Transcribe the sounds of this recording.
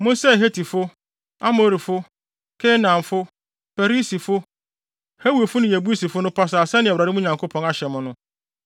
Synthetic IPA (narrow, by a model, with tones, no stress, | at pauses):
mʊ̃˦n˦sɛ˦˨ɦe˦tʰi˨fʊ˦ | a˦mo˨ɾi˨fʊ˦ | kʰe˦nã˨m˨fʊ˦ | fɛ˨ɾi˦si˨fʊ˦ | he˦wu˨e˨fʊ˦nʊ̃˦˨jæ˨bu˦e˦si˨fʊ˦nʊ̃˦pʰa˦s̬aː˨sɛ˦nɪ̃˨wɾa˨ɾɪ˦mʊ̃˦ɲã˨ŋkʰo˦pʰɔ̃˨na˦ɕɛ˨mʊ̃˦nʊ̃˦